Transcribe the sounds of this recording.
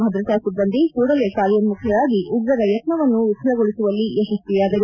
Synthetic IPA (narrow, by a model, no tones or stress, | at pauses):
bʱɐd̪ɾɐt̪ɐsud̪ːɐnd̪ikuːɽɐlekaːɾjɐnmukʰjɐʋaːɡiʔuɡɾɐɾɐjɐt̪nɐʋɐnːuʋisɐɾɐɡoɭisuʋɐlːiʔeʃɐst̪ijaːd̪ɐɾu